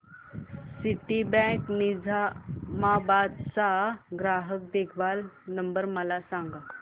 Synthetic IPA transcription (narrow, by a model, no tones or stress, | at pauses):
siʈibɛ̃knid͡zʱamabad̪t͡saɡɾaɦək̚d̪ekʰʋalnəmbəɾməlasãŋɡa